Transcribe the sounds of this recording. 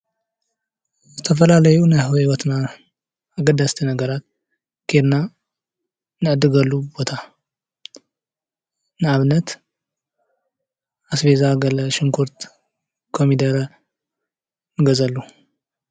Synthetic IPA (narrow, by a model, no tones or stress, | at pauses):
zɨt̪ʰɐfɐlalɐjunajhɨwiwɔt̪na | aɡɐd̪ast̪ʰinɐɡɐɾat̪̚ | kʰeɾna | nɨʕɨd̪ːɨɡɐlːubbo̞t̪ʰa | nɨʕaβnɐt̪ | ʔasβezaɡɐlɐʃɪŋkʰuɾt̪ | kʰomid̪ɐɾ | nɨɡɐzɐlːu